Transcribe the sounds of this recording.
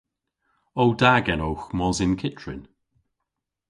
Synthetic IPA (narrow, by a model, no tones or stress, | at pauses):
owdaɡɛnowxmɔzɪnkʰɪt͡ʃɹɪ̰n